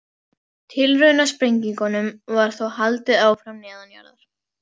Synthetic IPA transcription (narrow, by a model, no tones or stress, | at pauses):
t̪ʰɪlrʏɣnaspɾejɲciŋkɔnʏmvaɾ̥θowhalt̪ɪðaːwfɾamnɛːðanja̰ɾðaɾ̥